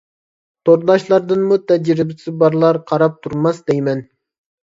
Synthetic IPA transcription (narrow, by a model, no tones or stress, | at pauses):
t̪ʰoɾd̪ˠɑʃlˠɑɾd̪ɨnmut̪ʰɛd͡ʒɾɪbɪsɪbɑɾlˠɑɾqʰɑɾɑp̚t̪ʰuɾmɑsd̪ejmɛn